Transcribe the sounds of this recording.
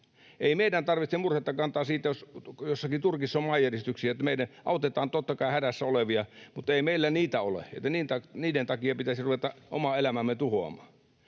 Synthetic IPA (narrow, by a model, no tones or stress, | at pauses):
ʔeˑimeˑidænt̪ɑrʋit̪semurhet̪ːɑkɑnt̪ɑːsiːt̪ːæjosjosːɑkit̪urkisːɑomɑːjjærist̪yksiæt̪ːæmeˑidæʔɑˑot̪et̪ˑɑːnt̪ot̪ːɑkɑˑihædæsːæoleʋiɑmut̪ːˑeˑimeˑilːæniːt̪æolḛḛt̪ːæniːnt̪ɑniːdent̪ɑkiɑpit̪æsiruʋet̪ɑʔo̰mɑelæmæmːet̪uhoɑ̰mˑɑːn